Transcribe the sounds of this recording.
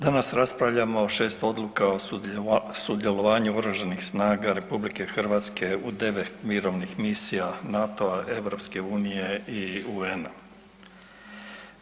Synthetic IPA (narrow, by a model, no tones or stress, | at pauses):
d̪anasɾaspɾaʋʎamoːʃe̞ːst̪o̞d̪lukao̞ | sud̪je̞lo̞ʋaːɲuoɡɾuʒenixsnaːɡaɾe̞publike̞xr̩ʋaːt̪ske̞ud̪e̞ʋe̞t̪miɾo̞ʋnixmisijanat̪o̞aʔe̞ʋɾo̞pske̞uːnije̞iuena